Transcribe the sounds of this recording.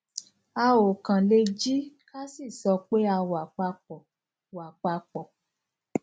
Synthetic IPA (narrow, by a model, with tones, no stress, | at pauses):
a˧o˨kã˨le˧d͡ʒi˦ka˦si˦˨sɔ˧k͡pe˦a˧wa˨k͡pa˧k͡pɔ˨ | wa˨k͡pa˧k͡pɔ˨